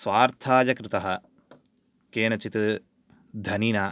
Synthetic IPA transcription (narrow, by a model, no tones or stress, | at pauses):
sʋaːɾt̪ʰaːd͡ʒɐkɾɪt̪ɐɦɐ | keːnɐt͡ʃit̪ | d̪ʱɐninaː